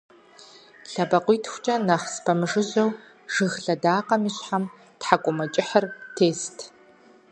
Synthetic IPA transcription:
ɬɐbɐqʷʊjtʰxʷt͡ʃʼɐnaχspʰɐmɨʐɨʑɐw | ʒ̥ɨɣɬɐdaːqɐmiːɕħam | tħakʷʼʊmɐt͡ʃʼɪħərtʰeːstʰ

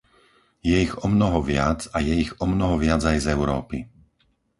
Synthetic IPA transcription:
jɛiɣɔmnɔɦɔʋɪad͡zajɛiɣɔmnɔɦɔʋɪad͡zajzɛʊɾɔ̰ːpi

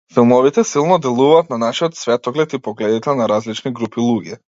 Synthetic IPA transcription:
filˠmɔvit̪ɛsilˠnɔd̪ɛlˠuvaːt̪nanaʃiɔt̪svɛt̪ɔɡlɛt̪ipɔɡlɛd̪it̪ɛnaɾazlit͡ʃniɡɾupilˠuɡɛ

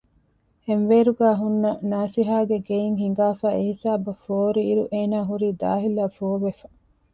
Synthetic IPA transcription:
henʋeːɾuɡæːɦunːɐnaːsiɦaːɡeɡejiŋɦiŋ̆ɡaːfæːehisaːbɐfoːɾiːɾuʔeːnaːɦuɾiːd̪a̰ːɦilaːfoːʋefɐ̥

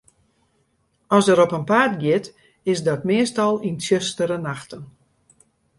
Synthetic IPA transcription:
ɔsəɾɔpənpaːrtɡjɪt | ɪsdɔtmɪəstɔlˠinsjøstəɾənaxtən

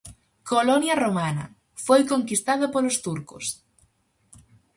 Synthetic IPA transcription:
kolonjɐromanɐ̰ | fojkoŋkist̪aðopolost̪uɾko̰s

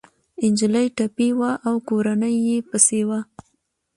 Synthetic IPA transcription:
ɪnd͡ʒɪləjʈapiwaʔawkoɾanəjːepəsewa

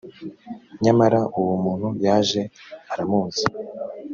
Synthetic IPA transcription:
ɲamaɾaʔuwumuːn̥hujaːʒe̞aɾamuːzi

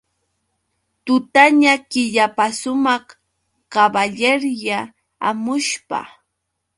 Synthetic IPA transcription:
t̪ʊt̪aɲakɪʎapasʊmɑχ | kabaʎeɾja | a̰mʊʃpa̰

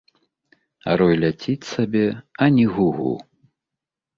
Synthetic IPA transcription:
a̰ɾɔjlʲat͡sʲit͡sʲsabʲɛɐnʲiɣuɣṵ

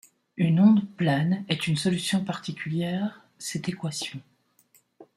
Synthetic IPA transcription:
ynɔ̃d̪plɛnɛt̪ynsɔlysjɔ̃paʁt̪ikʲyljɛːʁ | sɛt̪ekwasjɔ̃

